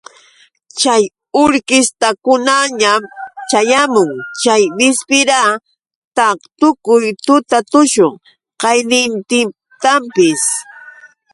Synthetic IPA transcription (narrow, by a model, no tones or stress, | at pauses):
t͡ʃaj | ʊɾkɪst̪akʊnaɲamt͡ʃajamʊŋt͡ʃajbɪspɪɾa | t̪at̪ʊkʊjt̪ʊt̪at̪ʊʃoŋ | qɑjnɪnt̪ɪ | t̪ampɪs